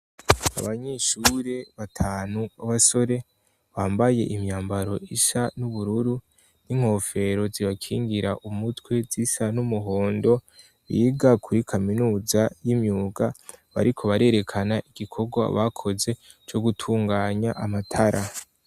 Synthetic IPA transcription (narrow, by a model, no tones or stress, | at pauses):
a̰βaɲeʃuːɾeβatʰaːnuaβaso̞ɾe̞ | βaːmbaje̞̰ʔimɲaːmbaɾo̞iʃanuβuɾuɾu | niŋ̥ho̞ːfe̞ɾo̞ziβakʰiːŋɡiɾa̰ʔumutwe̞z̥isanumuɦo̞ːndo̞ | βiːɡakʰuɾikʰaminuːzajimɲuːɡaβa̰ɾikʰo̞βaɾe̞ːɾe̞kʰanaʔiɡ̥ikʰo̞ɡwa̰βakʰo̞ze̞ | t͡ʃo̞ɡutʰuːŋɡaːɲaʔamatʰaɾʔa